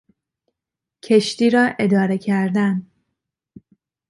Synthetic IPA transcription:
cʰe̞ʃt̪iːɾɒːʔe̞d̪ɒːɾe̞cʰæɾd̪æn

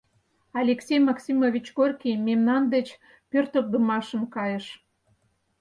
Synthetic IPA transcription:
ɑlʲeksʲejmɑksʲimovʲit͡ɕɡorkʲijmemnɑnd̪et͡ɕ | pørt̪ok̚d̪əmɑʃə̆mkɑjəʃ

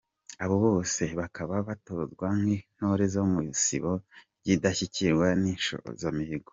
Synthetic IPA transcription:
aβoβo̞ːse̞βakaβaβatozɡwaŋhin̥hoɾezomusḭβoɾɟidaçiciɾwaninʃo̰zamihiɡo

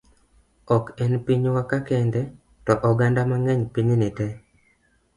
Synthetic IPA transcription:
ɔkɛnpiɲwakakɛndɛ | tɔʔɔɡandamaŋɛɲpiɲnɪtɛ

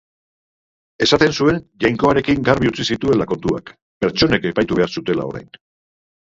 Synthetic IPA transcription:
e̞sat̪e̞nsue̞nʝajŋko̞aɾe̞kiŋɡaɾβiut͡sisit̪ue̞lako̞nt̪ua̰k | pe̞ɾt͡ʃo̞ne̞ke̞pajt̪uβe̞aɾsut̪e̞la̰o̞̰ɾa̰jn

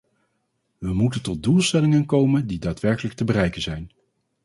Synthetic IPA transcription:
ʋəmutəntɔt̚dulˠstɛlɪŋənkowməndidaːtʋɛɹkələk̚təbərɛjkənzɛjn

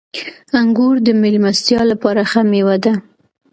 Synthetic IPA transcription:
aŋɡuɾd̪əmelmast̪jɑlapɑɾaxamewad̪a

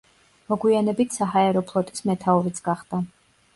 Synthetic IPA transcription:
mɔɡwianɛbit̪ʰsaɦaɛɾɔpʰlˠɔt̪ʼismɛt̪ʰaɔɾit̪sʰɡ̥aχd̪a

